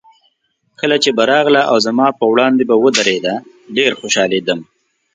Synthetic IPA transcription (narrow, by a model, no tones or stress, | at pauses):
kəlat͡ʃebaɾɑɣlaʔawzamɑpəwɽɑnd̪ebawəd̪aɾed̪a | ɖeɾxoʃɑled̪əm